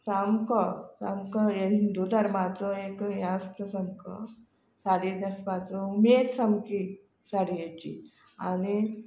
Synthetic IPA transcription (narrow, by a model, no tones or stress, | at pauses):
samkɔsa̰mkɔjend̪ud̪aɾmad͡zɔekjãst̪əsəmkɔ̰ | saɽid̪əspad͡zɔumeɾsamki | saɽijet͡ɕḭ | ani